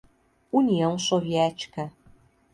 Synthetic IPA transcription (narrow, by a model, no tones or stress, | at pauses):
uniɐ̃w̃soviɛt͡ʃi̥kɐ